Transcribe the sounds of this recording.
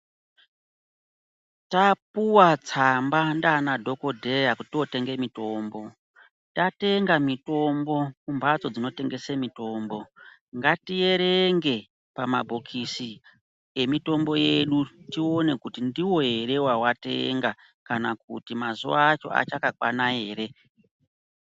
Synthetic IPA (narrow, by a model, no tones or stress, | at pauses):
tapuwat͡sambandaːnadʱo̞ko̞dʱe̞jakutio̞te̞ŋɡe̞mito̞ːmbo̞ | tate̞ŋɡamito̞mbo̞kumbat͡so̞d͡zino̞te̞ŋɡe̞semito̞ːmbo̞ | ŋɡatije̞ɾe̞ŋɡe̞ | pamabʱokʰisi | e̞mito̞mbo̞je̞ɗutio̞ne̞kutindiwo̞ɦe̞ɾe̞wawate̞̰ŋɡa | kanak̚ṵtimazuʋaːt͡ʃo̞̰a̰t͡ʃakakwa̰nae̞ːɾe̞